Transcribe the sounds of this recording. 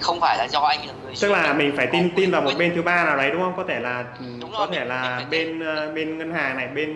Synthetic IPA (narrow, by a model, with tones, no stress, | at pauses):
xə˧wŋ͡mfaː˧˩jlaː˨˩zɔ˧ʔa˧jŋə˨t͡ɕɨ˦˥k̚laː˨˩mï˨˩ŋ̟faː˧˩jt̪i˧nt̪i˧nvaː˨˩wmo˨˩t̚ɓe˧nt̪ʰɨ˨˦ɓaː˧naː˨˩wɗə˨˦jɗʊ˨˦ŋ͡mhə˧wŋ͡mkɔ˨˦t̪ʰe˧˩laː˨˩ʔkɔ˨˦t̪ʰe˧˩laː˨˩ɓe˧nː˧˩ɓe˧nŋə˧nhaː˨˩ŋna˨˩jɓe˧n